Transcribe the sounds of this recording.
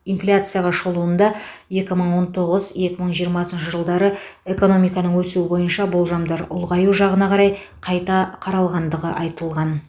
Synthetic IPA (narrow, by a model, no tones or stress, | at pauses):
ijnflʲat̪sɨjaʁɑʃlˠuənd̪ɑje̞kʲɪməɴwo̞nt̪ʰo̞ʁəzje̞kʲɪməɴʒijəɾmɑsənʃəʒəlˠd̪ɑɾəe̞ko̞no̞mijkɑnəɴwɵsuɪbo̞jənʃɑbʊlˠʒɑmd̪ɑɾʊ̰lˠʁɑjuʒɑʁənɑqʰɑɾɑj | qʰɑjt̪ɑqʰɑɾɑlˠʁɑnd̪əʁəʔɑjt̪əlˠʁɑn